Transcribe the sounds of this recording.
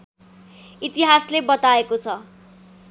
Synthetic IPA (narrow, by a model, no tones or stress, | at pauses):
it̪iɦaslebʌt̪aekot͡sʰʌ